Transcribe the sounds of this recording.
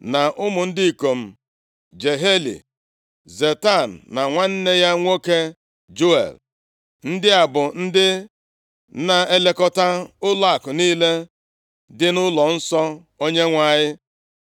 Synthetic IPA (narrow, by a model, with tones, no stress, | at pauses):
na˨ʔʊ˦mʊ˨n̩˦di˦i˨ko˨m̩˦ | d͡ʒe˨ɦe˦lḭ˨ | ze˨ta˦˨n̩ː˨a˨ŋʷa˦n̩˦ne˦ja˦ŋʷo˦ke˦ | d͡ʒo˦ḛ˨l | n̩˦dɪ˦a˨bʊ˨n̩˦dɪ˦ | na˨e˦le˦kɔ˦ta˦ʊ˦la˦a˨kʊ˨niː˦le˦ | dɪ˦nʊ˦lɔ˨n̩˦sɔ˦ | o˦ɲe˦ŋʷa˦ɲɪ˦